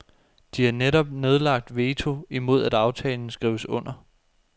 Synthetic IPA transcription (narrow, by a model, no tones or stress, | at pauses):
d̥ihɑneɾɒ̽b̥ne̝ð̞ˠlɑ̈ɡ̥̚d̥ʋe̝ːt͡sʰo̝imo̝ð̞̰ˠæd̥ɑ̈ʊt͡sʰɛːln̩əsɡ̥ʁiʊəsɔ̽n̰ɐ